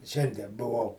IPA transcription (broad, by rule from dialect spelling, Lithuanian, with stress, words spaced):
ˈʃʲɛnʲdʲiɛ bʊˈʋɐʊ